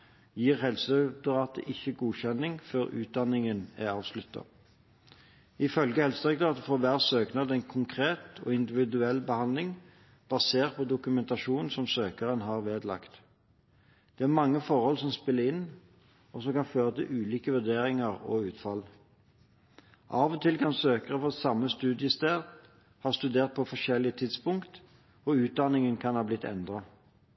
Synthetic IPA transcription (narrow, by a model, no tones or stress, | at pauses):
jiːʁhɛlsət̪ʁɑːt̪ə̰ʔɪçːəɡuːçɛnːɪŋføːʁʉ̰ːt̪̚d̪ɑnɪŋənæ̰ɑːʋslʉt̪ːɑ̰ | ɪfœlɡəhɛlsəkt̪ʁɑːt̪əfɔʋæːʁsøːknɑd̪ɛɪnkʰʊŋkʰʁeːt̪ɔ̰ɪnd̪ɪʋɪd̪ʉɛlːbəhɑnd̪lɪŋ | b̥ɑseːʁt̪̚pʰɔd̪ʊkʉmɛnt̪ɑʃuːnsɔmsøːkəʁənɦɑːʁʋeːd̪lɑ̰kt̪ | d̪̥ɛæʁmɑŋːəfɔʁhɔlsɔmspɪlːəʁɪnː | ɔsɔmkɑnføːʁət̪ʰɪlʔʉːliːkəʋʉʁd̪eːɾɪŋəʁɔ̰ʉːt̪fɑl | ʔɑːʋɔt̪ʰɪlkʰɑnsøːkəʁəfɔsɑmːəst̪ʉːd̪ɪəst̪eːʁ | hɑːʁst̪ʉd̪eːʁt̪̚pʰɔfɔʃɛlːɪət̪ʰɪd̪spʊŋkt̪ | ɔʉːt̪̚d̪ɑnɪŋənkʰɑnhɑːblɪt̪ːɛ̰nd̪ʁɑ